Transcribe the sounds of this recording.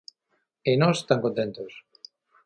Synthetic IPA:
enɔse̥st̪aŋkont̪ent̪os

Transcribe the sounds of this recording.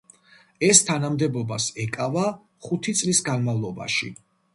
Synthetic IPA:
ɛst̪ʰanamd̪ɛbɔbasɛkʼava | χut̪ʰit̪sʼlisɡanmavlˠɔba̰ʃḭ

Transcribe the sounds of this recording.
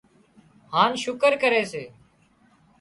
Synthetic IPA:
haːnʃʊkəɾkəɾeːseː

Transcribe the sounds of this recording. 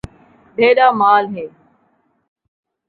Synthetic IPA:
bʱeːɗaːmaːlɦeː

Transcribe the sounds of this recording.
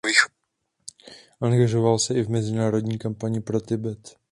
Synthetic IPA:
vix | ʔaŋɡaʒo̞valsɛʔɪvmɛzɪnaːɾo̞dɲiːkampaɲɪpɾot̪ɪbɛt̪

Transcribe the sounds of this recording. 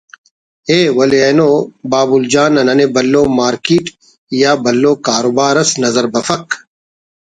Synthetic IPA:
eːwɐleɐnoːbaːbuld͡ʑaːnɐnɐnebɐlːoːmaːɾkiːʈ | jaːbɐlːoːkaːɾoːbaːɾɐsnɐzɐɾbɐfɐk

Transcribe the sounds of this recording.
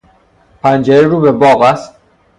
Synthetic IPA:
pʰænd͡ʒeɾeɾuːbebɒːɣæst̪

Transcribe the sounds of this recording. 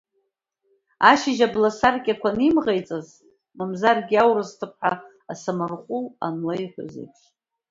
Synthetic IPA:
aʃɪʒablasarkʲʼakʷʰanimʁajt͡sʼaz | mɨmzarɡʲawɾɨstʰɨp̚ʰħa | asamɨrqʷʼʊla̰nlajħʷʊ̰zḛjpʰʼʃ

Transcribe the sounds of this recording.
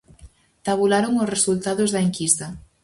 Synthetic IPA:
t̪aβ̞ulaɾoŋosresult̪aðozðaeŋkist̪ɐ

